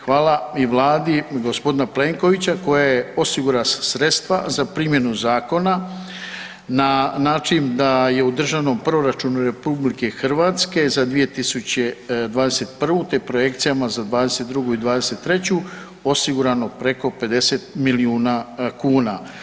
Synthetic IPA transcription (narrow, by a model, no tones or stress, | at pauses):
xʋaːlaiʋlˠaːd̪iɡo̞spo̞d̪inaple̞ːŋko̞ʋit͡ɕako̞jajeo̞siɡuɾasɾe̞t̪st̪ʋazapɾiːmje̞nuzaːko̞na | nanaːt͡ʃind̪aje̞ud̪r̩ʒaʋno̞mproɾat͡ʃunuɾe̞publike̞xr̩ʋaːt̪ske̞zad̪ʋije̞t̪isut͡ɕed̪ʋaːd̪e̞set̪̚pr̩ʋut̪epɾo̞je̞kt̪sijamazad̪ʋaːd̪eset̪̚d̪ɾuɡuid̪ʋaːd̪e̞set̪ːɾe̞t͡ɕu | o̞siɡuɾano̞pɾe̞ko̞pe̞d̪e̞set̪miliuːnakuːna